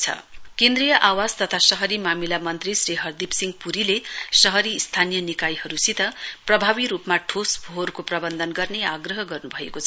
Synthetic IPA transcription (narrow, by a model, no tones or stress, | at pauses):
t͡sʰʌ̰kẽnd̪rijʌʔawad͡zt̪ʌt̪ʰasʌɦʌɾimamilamʌnt̪risriɦʌrd̪ipsiŋɡpuɾilesʌɦʌɾiːst̪ʰanijʌnikajɦʌɾusit̪ʌprʌbʱabiɾupmaʈʰosbʱorkoprʌbʌnd̪ʱʌnɡʌrneaɡrʌɦʌɡʌrnubʱʌḛkot͡sʰʌ